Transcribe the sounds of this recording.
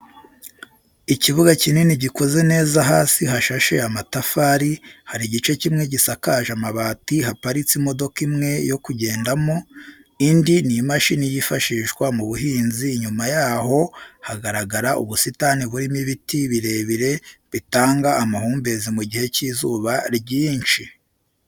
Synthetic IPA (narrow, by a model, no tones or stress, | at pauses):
iciβuɡacineniɟiko̞ze̞ne̞ːzaɦaːsiɦaʃaʃe̞̰amatafaːɾihaɾiɟit͡ʃe̞cimŋe̞ɟisakaːʒamaβaːtihapaɾit͡simo̞do̞kimŋe̞jo̞kuɟe̞ːndamo̞indinijmaʃinijiːfaʃiʒɡwamuβuɦiːnziːɲumajaːho̞haɡaɾaɡaɾaʔṵβusitaniβuɾimiβitiβiɾe̞ːβiɾe̞βitaːŋɡaʔːmahuːmbe̞zimuɟihe̞cizuːβaɾɟiːnt͡ʃi